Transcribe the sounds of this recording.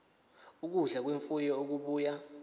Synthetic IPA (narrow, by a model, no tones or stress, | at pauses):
uk̬uɮak̬weɱfujɔok̬uɓuːja